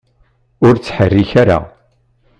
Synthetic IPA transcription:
ʊɾt͡sːħərːiçaɾa̰

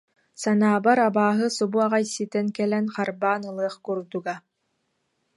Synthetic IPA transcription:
sanaːbaɾabaːɦɯsɔbuaʁajsit̪ɛnkɛlɛnχaɾbaːnɯlˠɯɐχkuɾd̪uɡa

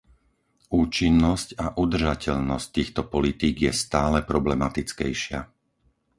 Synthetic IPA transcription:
uːt͡ʃinːɔscaʔud̪r̩ʒacɛʎnɔsc̚t̪iːxt̪ɔpɔlit̪iːɡjɛst̪aːlɛpɾɔblɛmat̪it͡skɛjʃɪa̰

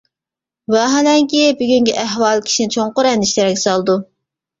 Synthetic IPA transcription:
wɑɦɛlɛŋkʲibyɡʲyŋɡʲɛʔɛɦwɑlˠkʲʰi̥ʃinɪt͡ʃʰoŋqʊɾɛnd̪ɪʃt̪ɛɾɛkʲɛ̥sɑlˠd̪u

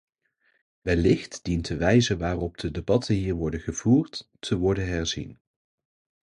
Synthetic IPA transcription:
ʋɛlɪχtd̥intʰəʋɛjzəʋaːrɔb̚dədebɑtʰənɦiːɹʋɔɹdəχəv̥uːɹtː | əʋɔɹdənɦɛɹzḭn

